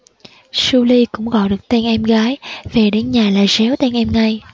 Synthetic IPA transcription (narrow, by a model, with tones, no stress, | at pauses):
su˧li˧kʊ̰˧˥ŋ͡mɣɔ̰˧˨ɗɨ˨˩ə˩k̚t̪ɛ˧ŋʔɛ˧mɣaː˨˦jve˨˩ɗe˨˦nɲaː˨˩laː˨˩zɛ˨˦wt̪ɛ˧ŋʔɛ˧mŋa˧j